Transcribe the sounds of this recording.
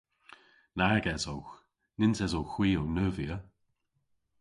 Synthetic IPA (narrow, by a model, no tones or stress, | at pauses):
naɹɡɛzowx | nɪnzɛzowxw̥iːownəviə